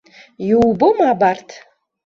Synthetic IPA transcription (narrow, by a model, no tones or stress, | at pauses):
jɪwbomabartʰ